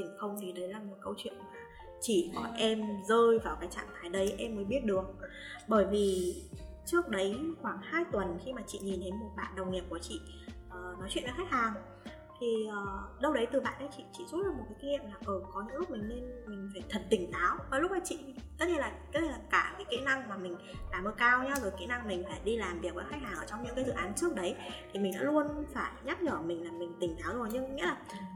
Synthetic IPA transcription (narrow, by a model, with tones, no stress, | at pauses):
t̪ï˧˩ŋ̟xə˧wŋ͡mt̪ʰi˨˩ɗə˨˦jlaː˨˩mo˨˩t̚kə˧wt͡ɕwḭ˧˨ənmaː˨˩ | t͡ɕi˧˨kɔ˧˩ʔɛ˧mzəː˧jvaː˨˩wkaː˨˦jt͡ɕa̰ː˧˨ŋt̪ʰaː˨˦jɗə˨˦jʔɛ˧mːəː˨˦jɓi˦˥ət̚ɗɨ˨˩ək̚ | ɓəː˧˩jvi˨˩ | t͡ɕɨ˦˥ək̚ɗə˨˦jxwaː˧˩ŋhaː˧jt̪wə˨˩nxi˧maː˨˩t͡ɕḭ˧˨ɲi˨˩nt̪ʰe˨˦jmo˨˩t̚ɓa̰ː˧˨nɗə˨˩wŋ͡mŋi˨˩p̚ku˧˩ət͡ɕḭ˧˨ | ʔəː˨˩nɔ˨˦jt͡ɕwi˧˨nʔa̰˧˦xɛ˦˥k̚haː˨˩ŋ | t̪ʰi˨˩ʔəː˨˩ɗə˧wɗə˨˦jt̪ɨ˨˩ɓa̰ː˧˨nʔɗə˨˦jt͡ɕḭ˧˨t͡ɕḭ˧˨zu˦˥t̚laː˨˩mo˨˩t̚kaː˨˦ki˧nḭ˧˨əmlaː˨˩ʔəː˨˩kɔ˨˦ɲɨ̰˧˥ŋlʊ˦˥k͡p̚mï˨˩ŋ̟ne˧nmï˨˩ŋ̟faː˧˩jt̪ʰə˨˩t̚t̪ï˧˩ŋ̟t̪aː˨˦wmaː˨˩lʊ˦˥k͡p̚maː˨˩t͡ɕḭ˧˨t̪ə˦˥t̚ɲe˧nlaː˨˩aː˨˦ə˧laː˨˩kaː˧˩kaː˨˦jkḭ˧˥na˧ŋmaː˨˩mï˨˩ŋ̟ɗaː˨˧˩məː˧˦kaː˧wɲa˧zo˨˩jkḭ˧˥na˧ŋmï˨˩ŋ̟faː˧˩jɗi˧laː˨˩mvi˨˩ək̚vəː˨˦jxaː˦˥k̚haː˨˩ŋʔəː˧˩t͡ɕɔ˧wŋ͡mɲɨ̰˧˥ŋkaː˨˦jzɨ̰˧˨ʔaː˨˦nt͡ɕɨ˦˥ək̚ɗə˨˦jt̪ʰi˨˩mï˨˩ŋ̟ɗa̰ː˧˥lu˧ənfaː˧˩jɲa˦˥p̚ɲəː˧˩mï˨˩ŋ̟laː˨˩mï˨˩ŋ̟t̪ï˨˩ŋ̟t̪aː˨˦wzo˨˩jɲɨ˧ŋŋḭ˧˥laː˨˩